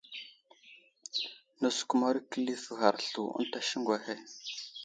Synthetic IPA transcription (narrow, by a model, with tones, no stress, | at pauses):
nə˨sku˨ma˦ɾkə˦li˦fə˨xa˨ɾɬu˨ṵ˦n˦ta˦ʃi˦ŋɡwa˨he˦